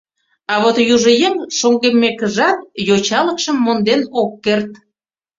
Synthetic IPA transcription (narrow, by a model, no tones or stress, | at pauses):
ɑβot̪juʒə̆jəmʃoŋɡemːekəʒɑt̪̚jot͡ɕɑlə̆kʃəmːond̪enokːert̪̚